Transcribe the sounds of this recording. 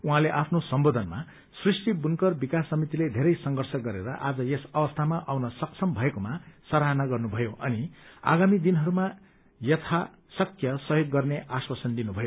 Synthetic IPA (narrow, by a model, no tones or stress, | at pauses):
uɦãleʔapʰnosʌmbod̪ʱʌnma̰ | srisʈibunkʌrbikasːʌmit̪iled̪ʱeɾʌjsʌŋɡʌrsʌɡʌɾḛɾʌʔad͡zʌjesʌbʌst̪ʰamaʔawnʌsʌksʰʌmbʱʌekomasʌɾaɦnaɡʌrnubʱʌjoʔʌnia̰ɡamid̪inɦʌɾuma | jʌt̪ʰa | sʌkjʌsʌɦjoɡːʌrneʔaswasʌnd̪inubʱʌjo